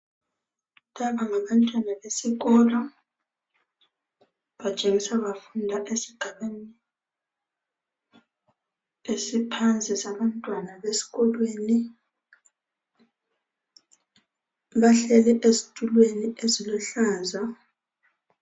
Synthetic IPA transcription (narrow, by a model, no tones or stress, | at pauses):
taβaŋaβantʼwanaβesiɣɔːlɔ | βat͡ʃʼeŋisaβafundʱaʔesiɡ̥ʱaɓeni | esipʰand͡zʱʼisaɓantʼwanaβesi̥ɣɔlweːni | βaɬɛlɛʔezitʼulweniʔezilɔɬaːza